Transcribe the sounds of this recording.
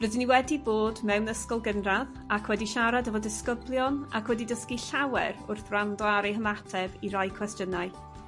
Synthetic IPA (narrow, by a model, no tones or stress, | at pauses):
rədiniwɛdiboːdmɛwnəskɔlˠɡənrað | akʰwɛdiʃaɾadəvɔdɪskəblˠjɔna̰kʰwɛdidəskiɬawɛ̰rʊrθrandɔaɾɛɦəmatʰɛbirajkʰwɛstjənaɨ